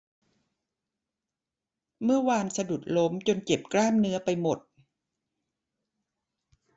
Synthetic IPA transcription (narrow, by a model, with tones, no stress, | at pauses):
mɯ˥˩ɐwaː˧nsa˧du˨˩t̪̚lo˦˥mt͡ɕo˧nt͡ɕe˨˩p̚klaː˥˩mnɯ˦˥ɐpa˧jmo˨˩t̪̚